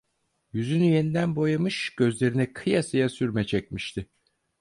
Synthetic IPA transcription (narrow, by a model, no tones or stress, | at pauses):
jyzynyje̞nid̪ænbo̞jamɯʃɟ̥ø̞zlʲe̞ɾinɛkʰɯjasajasyɾmɛt͡ʃʰɛcmiʃt̪ʰɪ